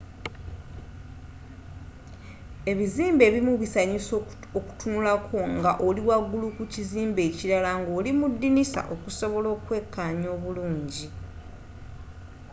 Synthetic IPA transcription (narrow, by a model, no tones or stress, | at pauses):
e̞βiziːmbe̞ːβimuβisaɲis | oku̥tunulakʰo̞ŋɡaʔoliwaɡulukuciziːmbe̞ːciɾalaŋɡo̞ːlimudːinisa̰ʔo̞kuso̞βo̞lo̞ːkwe̞kʰːaːɲo̞ːβuluːɲɟi